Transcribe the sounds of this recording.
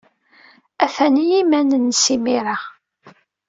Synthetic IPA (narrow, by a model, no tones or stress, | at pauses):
æθænijimænənsimiɾa